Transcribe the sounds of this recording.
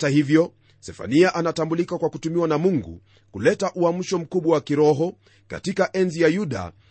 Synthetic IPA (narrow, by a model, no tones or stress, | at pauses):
tahivjɔ | sɛfa̰niaʔanatambulikakwakutumiwanamuŋɡṵ | kulɛtaʔuam̩ʃɔm̩kuɓwawakiɾɔɦɔ | ka̰tikaʔɛnzijajuɗa̰